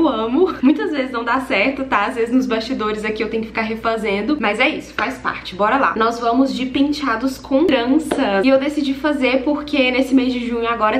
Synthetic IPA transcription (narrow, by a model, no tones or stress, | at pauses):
wɐ̃mʊmũj̃t̪ɐzvezɪznɐ̃w̃d̪asɛɾt̪ʊt̪aazvezɪznʊzbast͡ʃid̪oɾɪzɐkiewt̪ẽjʊkɪfikaɾɦefazẽnd̪ʊmɐzɛisʊ̥fajspa̰ɾt͡ʃɪ̥bɔɾɐla̰nɔzvɐ̃mʊzd͡ʒɪpĩt͡ʃad̪ʊskʰõɾɐ̃sɐsɪewd̪esid͡ʒifazeɾpoɾkenesɪmezd͡ʒɪʒũɲʊaɡɔɾɐ